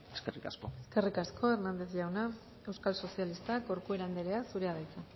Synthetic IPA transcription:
eskerikaskoeske̞rikaskʰo̞e̞rnand̪e̞zʝawna | e̞wskalso̞sialist̪ako̞ɾkue̞ɾand̪eɾeasuɾeaðajt͡sa

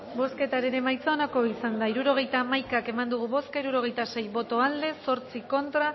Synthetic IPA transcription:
bo̞ske̞t̪aɾeɾe̞majt͡saonako̞isand̪aiɾuɾo̞ɣ̞e̞jt̪amajkake̞mand̪uɣ̞uβo̞skaiɾuɾo̞ɣ̞e̞jt̪ase̞jβo̞t̪o̞ald̪e̞so̞ɾt͡siko̞nt̪ɾa

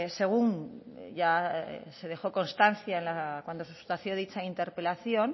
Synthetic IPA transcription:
se̞ɣ̞uŋ | ʝase̞ð̞e̞xo̞ko̞nst̪anθjaenlakwand̪o̞sust̪aθjo̞ðit͡ʃaint̪e̞ɾpe̞laθjo̞n

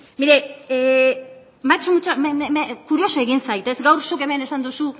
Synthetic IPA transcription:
miɾee | mat͡ʃmut͡ʃaeekuɾio̞soe̞ɣinsajt̪e̞sɡawɾsoke̞mene̞sand̪usu

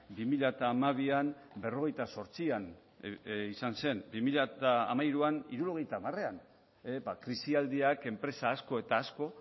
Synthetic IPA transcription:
bimiʎat̪aːmaβ̞ian | be̞ro̞ɣ̞e̞jt̪aso̞ɾt͡sian | isanse̞nbimiʎat̪a̰ːmajɾuaniɾuɾo̞ɣ̞e̞jt̪aːmare̞an | ebakɾisiald̪iake̞mpɾe̞saːsko̞e̞t̪aːsko̞

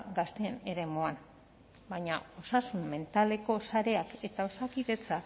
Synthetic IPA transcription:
ɡast̪eːne̞ɾe̞moan | baɲao̞sasumme̞nt̪ale̞ko̞saɾe̞ake̞t̪ao̞sakiðe̞t͡sak

